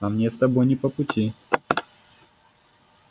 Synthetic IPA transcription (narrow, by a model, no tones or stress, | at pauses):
amɲʲɛst̪abɔjnʲipɔput͡ɕʲʰi